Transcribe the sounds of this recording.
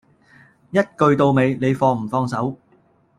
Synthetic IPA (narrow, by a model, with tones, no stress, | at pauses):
jɐ˥t̚kɵ˧ɥt̪o˧wme˨˧jne˨˧jfɔː˧m̩˨˩fɔː˧ŋsɐ˨˥w